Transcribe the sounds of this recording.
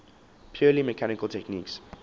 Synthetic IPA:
pʰjɔːliməkʰanɪkəltʰɛkniːks

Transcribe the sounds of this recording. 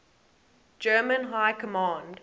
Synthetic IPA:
d͡ʒɜːmə̃nɦaɪkʰəmɑ̃ːnd

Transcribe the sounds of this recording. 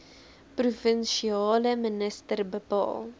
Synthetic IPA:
prufənʃiɑːləmənəstərbəpɑ̰ːlˠ

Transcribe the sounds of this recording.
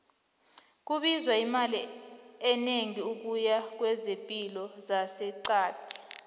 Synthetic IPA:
k̬uɓizwaimaliɛneŋiuk̬ujak̬wɛzempʼilɔzasɛǀaːd̥ʰʱi̥

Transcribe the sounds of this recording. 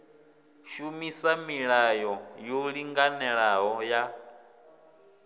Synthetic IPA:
ʃumisamiɺajɔjoɺiŋɡanɛɺaɦɔja

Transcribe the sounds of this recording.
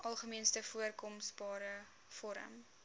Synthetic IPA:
ʔɐlˠχəmiənstəfuərkɔmsbɑːɾə | fɔɾə̰m

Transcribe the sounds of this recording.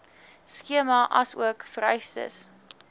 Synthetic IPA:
skiəmɐʔɐsṵəkfəɾœɥstə̰s

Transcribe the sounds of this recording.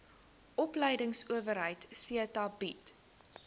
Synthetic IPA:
ʔɔpləjdəŋsuəvəɾɦəjtsiətɑbit

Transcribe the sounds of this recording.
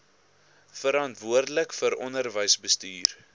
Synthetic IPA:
fəɾɑntvuərdələkfəɾɔnərvəjsbəstyːr

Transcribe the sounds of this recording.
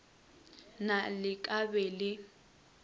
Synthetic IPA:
nalɪkʼabɛlɪ

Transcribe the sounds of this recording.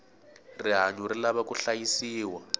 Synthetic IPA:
riɦaɲuɾilaβakuɬajisiːwa

